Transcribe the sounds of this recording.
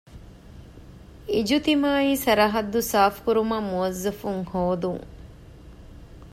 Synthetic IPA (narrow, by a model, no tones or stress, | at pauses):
id͡ʒut̪imaːiːsɐɾɐɦɐd̪ːusaːfkuɾumɐmuʋɐzːɐfuŋhoːd̪uŋ